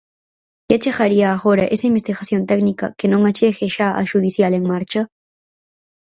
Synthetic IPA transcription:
kat͡ʃeɣaɾiɐːɣoɾɐʔesɐimbest̪iɣaθjont̪ɛknikɐ̰kenõŋat͡ʃeɣeʃaʔa̰ʃuð̞iθjaleŋmaɾt͡ʃɐ

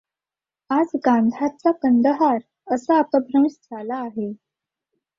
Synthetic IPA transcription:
ad͡zɡãnd̪ʱat͡sakənd̪əɦaɾ | əsaəpəbɾəmsd͡zʱalaːɦe

